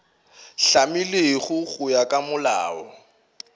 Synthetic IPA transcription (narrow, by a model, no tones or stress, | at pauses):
ɬamɪleɣʊɣʊjakʼamʊla̰ːɔ